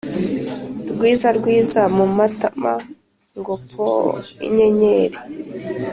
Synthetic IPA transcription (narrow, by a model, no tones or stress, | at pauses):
ɾɡwiːzaɾɡwiːzamumatama̰ | ŋɡopʰo̰ḭɲeɲeːɾe